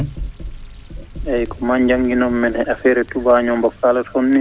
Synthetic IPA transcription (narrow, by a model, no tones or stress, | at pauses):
ʔɛjkɔmaɲd͡ʒaŋɡinɔmːɛnhɛʔafɛɾɛtubaɲɔmbɔkːalɔtonːi